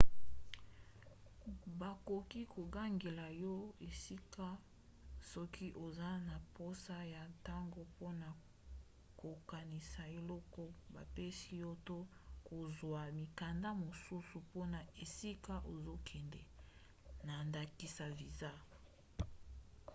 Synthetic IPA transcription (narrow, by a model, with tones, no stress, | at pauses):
ba˨ko˨ki˦ko˨ɡa˦ŋɡe˨la˨jɔ˦e˨si˦ka˦ | sɔ˦kʰi˦ʔo˨za˦na˨po˦sa˦ja˨ta˦ŋɡo˨po˦na˨ | ko˨ka˨ni˨sa˨e˨lɔ˦kɔ˦ba̰˨pe˦si˦jɔ˦to˦ko˨zwa˨mi˨ka˨nda˦mo˨su˦su˨po˦na˨e˨si˦ka˦ʔo˨zo˦kʰɛ˨ndɛ˨ | na˨nda˨ki˨sa˨vi˨za˦